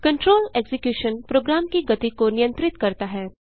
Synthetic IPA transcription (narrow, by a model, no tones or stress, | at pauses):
kɐ̃ɳʈɾoːleːɡsɪkjuːʃənpɾoːɡɾaːmkiɡɐt̪ikonɪjə̃nt̪ɾɪt̪kɐɾt̪aɦɛː